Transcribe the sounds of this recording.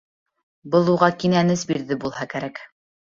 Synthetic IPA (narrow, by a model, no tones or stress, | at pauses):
bɤlˠuʁɑkinænɘsbiɾðɘbulˠhɑkæɾæk